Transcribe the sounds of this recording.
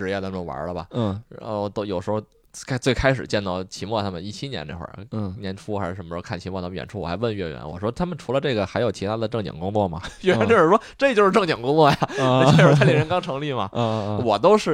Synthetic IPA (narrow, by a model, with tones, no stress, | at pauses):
ɻ̩˧˥jɛ˧t̪ʰa˥m˧˩o˥˩wa̰˧˥lə˧bɐ̰˨˥˩ɻa̰˧˥xo˥˧˩ʊt̪o˥ʊjo˨˩ʊʂɻ̩˧˥xo˧ʊ | kʰt͡swe˥˩ɪkʰa˥ɪʂ̬ɻ̩˨˩t͡ɕjɛ˥˧nt̪ɑ˥˩ʊt͡ɕʰi˧˥mwɔ˥˩t̪ʰa˥mə˨˧ni˥˩t͡ɕʰi˥njɛ˧˥ne˥˧xwə̰˥˧˩njɛ˧˥nʈ͡ʂʰu˥a˧˥˧ə˧˥nmə˧˥kʰa˥˩nt͡ɕʰi˧˥mwɔ˥˩t̪ʰa˥˧ɥɛ̰˨˩ʈ͡ʂʰu˥wɔ˨˩xa˧˥ɪwə˥˧nɥɛ˥˩ɥɛ̰˧˥nwɔ̰˨˩ʂwɔ˥t̪ʰa˥mə˨nʈ͡ʂʰu˧˥lə˧ʈ͡ʂɤ˥˩ɡə˩xa˧˥ɪjo˨˩ʊt͡ɕʰi˧˥a˥d̪ə˨˧ʈ͡ʂɤ˥˩ŋt͡ɕɑ̰˨˩ŋkʊ˥ŋt͡swɔ˥˩mɐ̰˩ɥne˥˧˥xwə˥˩ʂwɔ˥ʈ͡ʂɤ˥˧t͡ɕjo˧ʊʂɻ̩˥˧ʈ͡ʂɤ˥˩ŋt͡ɕɑ˨˩ŋkʊ˥ŋt͡swɔ˥˩ja˨˩˥ʂɔ˥ta˥ljɛ˨˩ŋɻə˥ŋkɑ˥ŋʈ͡ʂʰɤ˧˥ŋli˥˩mɐ˩˧wɔ˨˩t̪o˥ʊʂɻ̩˥˩